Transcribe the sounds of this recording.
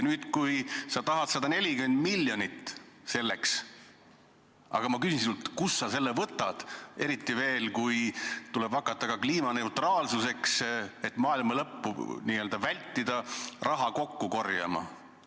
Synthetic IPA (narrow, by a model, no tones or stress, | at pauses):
nyːd̪̥kujsɑt̪ɑɦɑd̪̥sɑd̪ɑne̞lʲikyme̞nd̪̥milːjonʲit̪ːse̞lːeks | ɑ̰ɡ̥ɑmɑkysinsiult̪kusːɑse̞lːevɤt̪ːˑɑd̪̥e̞ɾit̪ːˑive̞ːlkujt̪ule̞b̥vɑkːˑɑt̪ːˑɑkɑkliːmɑne̞ut̪rɑːlsuse̞kse̞t̪ːmɑːilmɑlɤpːṵniːø̞ːld̪ɑvælʲt̪ːid̪̥ɑrʔɑɦɑko̞kːuko̞rjɑ̰mɑ̰